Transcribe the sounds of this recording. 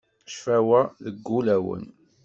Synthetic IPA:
ʃfæwæðəɡːulæwə̰n

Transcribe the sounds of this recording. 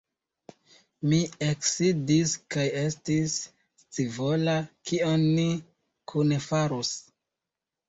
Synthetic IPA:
mieksidiskaje̞stis | t͡sivolakionːi | kʰunefaɾus

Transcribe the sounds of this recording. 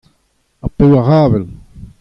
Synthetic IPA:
apɛwaɣaːvɛl

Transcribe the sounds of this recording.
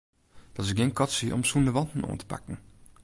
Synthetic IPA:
d̥ɑtɪsɡenkɔtsiʔɔ̰msundəʋɑntn̩o̰ːntə̥pa̰kən̩

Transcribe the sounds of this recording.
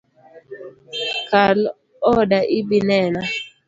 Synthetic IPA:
kal | ɔdaʔɪbinɛna

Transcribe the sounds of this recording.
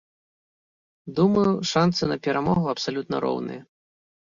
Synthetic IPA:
d̪umɐjuʂant̪sɨnɐpʲɛɾamɔɣuɐpsalʲut̪nɐ̰ɾɔ̰wnɨ̰jɐ

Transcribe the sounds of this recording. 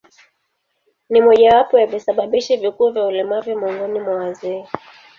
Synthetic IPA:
nimɔʄawapɔjavisaɓaɓiʃivikuːvjaulɛmavimɔŋɡɔnimwawazɛː

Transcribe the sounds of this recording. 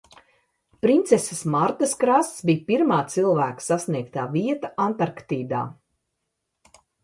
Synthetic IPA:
pɾint̪sɛsəsmaɾt̪ɐskɾast̪sbijpiɾmaːt̪silˠvæːksasniɛk̚t̪aːviɛt̪aʔant̪aɾkt̪iːd̪a̰ː

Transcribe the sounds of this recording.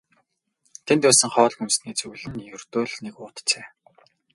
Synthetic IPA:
t̪ʰent̪æːsɘ̆ŋχɔːɮxunsniːt͡sɵɣɮɘ̆njɵrt̪oːɮnekʊːt̪t͡seː

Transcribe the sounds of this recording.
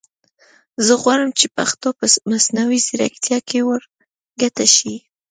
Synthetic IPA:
zəɣwɑɾəmt͡ʃepa̰xt̪opəmasnawisɪɾa̰kt̪jɑkewəɾ | ɡat̪aʃi

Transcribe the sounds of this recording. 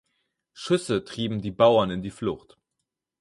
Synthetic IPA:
ʃʏsətʁ̥iːbm̩diːbaʊɐnɪndiːflʊxt

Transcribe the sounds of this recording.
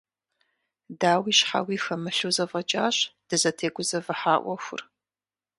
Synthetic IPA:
daːwiːɕħa̰wiːxɐmɨɬuzɐvɐt͡ʃʼaːɕd̥ɨzɐtʰeːɡʷʊzɐvɨħaːʔʷɔxʷʊ̰r

